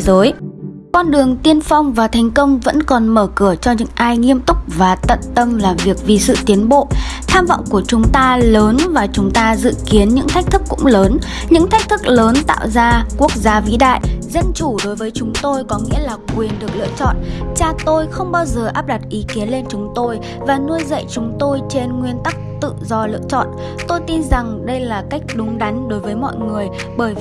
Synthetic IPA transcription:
zəː˨˦j | kɔ˧nɗɨ˨˩əŋt̪i˧ənfa˧wŋ͡mvaː˨˩t̪ʰa˨˩˦jŋ̟kə˧wŋ͡mvə̰˧˥nkɔ˨˩nməː˧˩kɨ˧˩ət͡ɕɔ˧ɲɨ̰˧˥ŋʔaː˧jŋi˧əmt̪ʊ˦˥k͡p̚vaː˨˩t̪ə̰˧˨nt̪ə˧mlaː˨˩mvi˨˩ək̚vi˨˩sɨ̰˧˨t̪i˨˦ənɓo̰˧˨t̪ʰaː˧mv̰wŋ͡mku˧˩ət͡ɕʊ˨˦ŋ͡mt̪aː˧ləː˨˦nvaː˨˩t͡ɕʊ˨˦ŋ͡mt̪aː˧zɨ̰˧˨ki˨˦ənɲɨ̰˧˥ŋt̪ʰa˦˥k̟̚t̪ʰɨ˦˥kːʊ̰˧˥ŋ͡mləː˨˦n | ɲɨ̰˧˥ŋt̪ʰa˦˥k̚t̪ʰɨ˦˥k̚ləː˨˦nt̪a̰ː˧˨wzaː˧ku˦˥ək̚zaː˨˦vḭ˧˥ɗa̰ː˧˨jzə˧nt͡ɕu˧˩ɗo˨˦jvəː˨˦jt͡ɕʊ˨˦ŋ͡mt̪o˧jkɔ˨˦ŋḭ˧˥əlaː˨˩kwi˨˩ənɗɨ˨˩ək̚lɨ̰˧˨ət͡ɕɔ̰˧˨nt͡ɕaː˧t̪o˧jxə˧wŋ͡mɓaː˧wzəː˨˩ʔaː˦˥p̚ɗa˨˩t̚ʔi˨˦ki˨˦ənle˧nt͡ɕʊ˨˦ŋ͡mt̪o˧j | vaː˨˩nu˧əjzə̰˧˨jt͡ɕʊ˨˦ŋ͡mt̪o˧jt͡ɕe˧nŋwi˧ənt̪a˦˥k̚t̪ɨ̰˧˨zɔ˧lɨ̰˧ət͡ɕɔ̰˧˨n | t̪o˧jt̪i˧nza˨˩ŋɗə˧jlaː˨˩ka˦˥jk̟̚ɗʊ˨˦ŋ͡mɗa˨˦jŋ̟ɗo˨˦jvəː˨˦jmɔ̰˧˨jŋɨ˨˩əj | ɓəː˧˩j

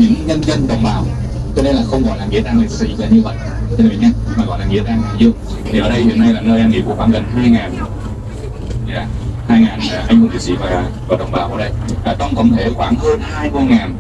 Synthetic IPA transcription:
ɲɨ̰˧˥ŋɲə˧nzə˧nɗə̰˨˧˩wŋ͡mɓaː˨˩w | t͡ɕɔ˧ne˧nlaː˨˩xə˧wŋ͡mkɔ̰˧˨nlaː˨˩ŋḭ˧˥ət̪aː˧ŋli˨˩k̚sḭ˧˥və˨˩ɲɨ˧və̰˧˨j̚ | t͡ɕʰə˧˩vḭ˨˧˩ɲa˧˦maː˨˩ɣɔ̰˧˨laː˨˩ŋḭ˧˨ət̪aː˧ŋlaː˨˩zɨ˧ə | t̪ʰi˨˩ʔəː˨˩˦ɗə˧jhḭ˧˨ənːa˧jlaː˨˩nəː˧jʔaː˧ŋḭ˨˩əmku˧˩˥xaː˧˦nɣə˨˩ŋ̟t̪aː˧mə˧jŋaː˨˩n | zaː˨˧˦haː˧jŋaː˨˩nː˨˩ʔa˧jŋ̟vu˧˩t̪ḭ˨˧˩sḭ˧˥vaː˨˩˨vɔ˨˩ɗə̰˧˨˩wŋ͡mɓaː˨˩wʔəː˨˧˦ɗə˧jvaː˨˩ɗɔ˨˦nkɔ̰˧˥wŋ͡mt̪ʰe˧˩xwaː˧˩˦nxə˧nː˧˦ku˧ŋaː˨˩n

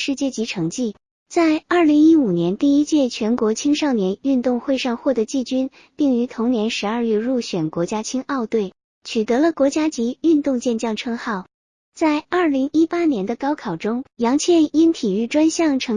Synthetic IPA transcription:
ʂɻ̩˥˧t͡ɕjɛ˥˩t͡ɕi˧˥ʈ͡ʂʰɤ˧˥ŋt͡ɕi˥˩ | t͡sa˥˧ɪɐ˞˥˩li˧˥ŋi˥u˨˩njɛ˧˥nt̪i˥˧i˥t͡ɕjɛ˥˩t͡ɕʰɥɛ˧˥nkwɔ˧˥t͡ɕʰi˥ŋʂɑ˥˩ʊnjɛ˧˥ny˥˧nt̪ʊ˥˧ŋxwe˥˧ɪʂɑ˥˧ŋxwɔ˥˩t̪ə˧˥t͡ɕi˥˩t͡ɕy˥n | pi˥˩ŋy˧˥t̪ʰʊ˧˥ŋnjɛ˧˥nʂɻ̩˧˥ə˞˥˧ɥɛ˥˧ɻu˥˩ɕɥɛ˨˩nkwɔ˧˥t͡ɕja˥t͡ɕʰi˥ŋɑ˥˧ʊt̪we˥˩ɪ | t͡ɕʰy˨˩t̪ɤ˧˥lə˧kwɔ˧˥t͡ɕja˥t͡ɕi˧˥y˥˧nt̪ʊ˥˧ŋt͡ɕjɛ˥˧nt͡ɕjɑ˥˩ŋʈ͡ʂʰɤ˥ŋxɑ˥˩ʊ | t͡sa˥˧ɪɐ˞˥˩li˧˥ŋi˥pa˥njɛ˧˥nd̪ə˧kɑ˥ʊkʰɑ˨˩ʊʈ͡ʂʊ˥ŋjɑ˧˥ŋt͡ɕʰjɛ˥˧ni˥nt̪ʰi˨˩y˥˩ʈ͡ʂwa˥nɕjɑ˥˩ŋʈ͡ʂʰɤ˧˥

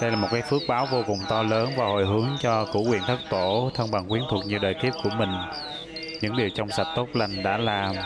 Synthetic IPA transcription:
ɗə˧jlaː˨˩mo˨˩t̚kaː˨˦jfɨ˦˥ək̚ɓaː˨˦wvo˧kʊ˨˩wŋ͡mt̪ɔ˧ləː˨˦nvaː˨˩ho̰˧˨jɦɨ˨˦əŋt͡ɕɔ˧kṵ˧˥kwḭ˧˨ənt̪ʰə˦˥t̚t̪o˧˩t̪ʰə˧ŋɓa˨˩ŋkwi˨˦nt̪ʰu˨˩ək̚ɲi˧˨˩ɗəː˨˩jt̪ʰi˦˥əp̚ku˧˩əmï˨˩ŋ̟ | ɲɨ̰˧˥ŋɗi˨˩əwt͡ɕɔ˧wŋ͡msa˨˩t̚t̪o˦˥t̚la˧˩jŋ̟ɗa̰ː˧˥laː˨˩m

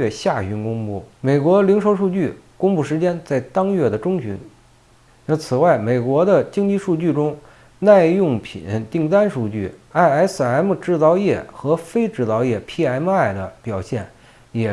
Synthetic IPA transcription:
ɛ˥˧ɕja˥˩ɕy˧˥nkʊ˥ŋpu˥˩me˨˩ɪkwɔ˧˥li˧˥ŋʂo˧˥ʊʂu˥˧t͡ɕy˥˩kʊ˥ŋpu˥˩ʂɻ̩˧˥t͡ɕjɛ˥nt͡sa˥˩ɪt̪ɑ˥ŋɥɛ˥˩d̪ə˩ʈ͡ʂʊ˥ŋt͡ɕʰy̰˧˥n˥˩ | t͡sʰɹ̩˨˩wa˥˩ɪme˨˩ɪkwɔ˧˥d̪ə˧t͡ɕi˥ŋt͡ɕi˥˧ʂu˥˧t͡ɕy˥˩ʈ͡ʂʊ˥ŋ | na˥˧ɪjʊ˥˩ŋpʰḭ˨˩˦nt̪i˥˩ŋt̪a˥nʂu˥˧t͡ɕy˥˩a˥˩ɪa˧˥ɪsɹ̩˥˩a˧˥ɪmə˧ʈ͡ʂɻ̩˥˩t͡sɑ˥˧ʊjɛ˥˩xɤ˧˥fe˥ɪʈ͡ʂɻ̩˥˩t͡sɑ˧ʊjɛ˥˩pʰi˥a˧˥ɪmə˧a˥˩ɪd̪ə˦pjɑ˨˩ʊɕjɛ̰˥˩n | jɛ˨˩

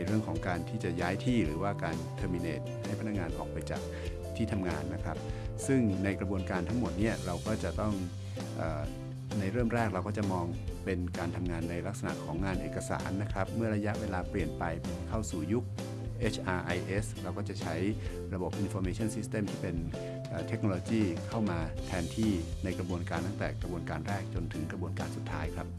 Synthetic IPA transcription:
jɾɯ˥˩əŋkʰɔː˩˦ŋkaː˧nt̪ʰiː˥˩t͡ɕa˨˩jaː˦˥jt̪ʰiː˥˩ɾɯː˩˦waː˥˩kaː˧nt̪ʰɤː˧mi˧neː˨˩t̪̚ha˥˩jpʰa˧na˦˥ŋaː˧nʔɔ̰ː˨˩k̚pa˧jt͡ɕa̰ː˨˩k̚ | t̪ʰiː˥˩t̪ʰa˧mŋaː˧nːa˦˥kʰɾa˦˥p̚sɯ˥˩ŋna˧jkɾa˧bu˧ənkaː˧nt̪ʰa˦˥ŋmo˨˩t̪̚ni˥˩ɐɾa˧wkɔː˥˩t͡ɕa˨˩t̪ɔ˥˩ŋ | ʔəː˨˩ | na˧jɾɤː˥˩əmɾɛː˥˩k̚ɾa˧wkɔː˥˩t͡ɕa˨˩mɔː˧ŋpe˧nkaː˧nt̪ʰa˧mŋaː˧nːa˧jla˦˥k̚sa˧na̰˨˩ʔkʰɔː˩˦ŋŋaː˧nʔḛː˨˩ka˧sa̰ː˩˦nːa˦˥kʰɾa˦˥p̚mɯ˥˩ɐɾa˧ja˦˥ʔweː˧laː˧pli˨˩ənpa˧jkʰa˥˩wsuː˨˩ju˦˥k̚ | ʔe˦˥t͡ɕʰʔaː˧ʔa˧jʔe˦˥sɾa˧wkɔː˥˩t͡ɕa˨˩t͡ɕʰa˦˥j | ɾa˧bo˨˩p̚ʔi˧nfɔː˧meː˧˩t͡ɕʰɔ˥˩nsi˦˥st̪eː˧˩mt̪ʰiː˥˩pe˧n | ʔaː˨˩t̪ʰe˦˥k̚noː˧oː˧t͡ɕiː˥˩kʰa˥˩wmaː˧t̪ʰɛː˧nt̪ʰiː˥˩ | na˧jkɾa˧bu˧ənkaː˧nt̪ʰa˥˩t̪ɛ̰ː˨˩kɾa˧bu˧ənkaː˧nɾɛː˥˩k̚t͡ɕo˧nt̪ʰɯ˩˦ŋkɾa˧bu˧ənkaː˧nsu˨˩t̪ʰːa̰ː˦˥jkʰɾa˦˥p̚

